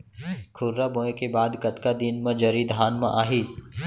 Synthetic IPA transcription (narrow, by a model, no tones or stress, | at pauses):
kʰʊɾːabõːẽkebaːd̪kɐt̪kad̪inmɐ̃d͡ʒɐɾid̪ʱaːnmɐ̰̃ʔaːɦiː